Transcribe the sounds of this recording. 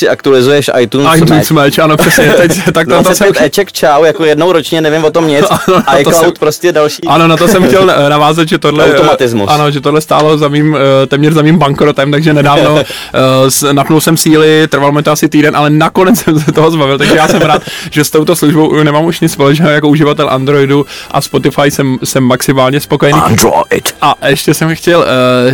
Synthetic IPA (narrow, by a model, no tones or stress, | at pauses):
sɪakt̪ulɪzujɛʃʔa̰jt̪uːnajt̪unsmɛt͡ʃʔanopr̥ɛsɲɛt̪ɛct̪ak̪̚amt̪osɛmɛt͡ʃɛkt͡ʃawjakojɛdnowɾot͡ʃɲɛnɛvɪmvot̪omɲɪt͡sanoajt̪oklawt̪̚pɾoscɛdalʃiʔano̞nat̪osɛmxcɛlnavaːzat̪ʒɛt̪odlɛaomat̪ɪzmṵsʔano̞ʒɛt̪odlɛst̪aːlo̞zamiːmt̪ɛːmɲɛrzamiːmbaŋkɾot̪ɛmt̪aɡʒɛnɛdaːvvno̞ | snapnulsɛmsiːlɪt̪r̩valomjɛt̪oasɪt̪iːdɛnʔalɛnakonɛt͡ssɛmsɛt̪oɦozbavɪlt̪aɡʒɛjaːsɛmɾaːt̪ʒ̥ɛst̪o̞wt̪osluʒbownɛmaːmuʃɲɪt͡sspo̞lɛt͡ʃnɛːɦjakouʒɪvat̪ɛlʔand̪ɾo̞jduʔa̰spo̞t̪ɪfajsɛmsɛmːaksɪmaːlɲɛspokojɛniːa̰nd̪ɾo̰ɪ̰tʔaʔɛʃcɛsɛmxcɛl